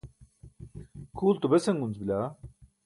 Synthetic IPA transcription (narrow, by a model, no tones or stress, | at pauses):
kʰuːlt̪ubeseŋɡunt͡sbilʲa